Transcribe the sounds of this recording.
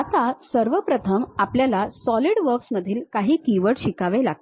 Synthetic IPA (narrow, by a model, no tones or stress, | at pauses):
at̪asəɾʋəpɾət̪ʰəmapljalasɔliɽʋəɾksməd̪ʱiːlkaɦiːkiʋəɽɕikaʋelaɡ̚t̪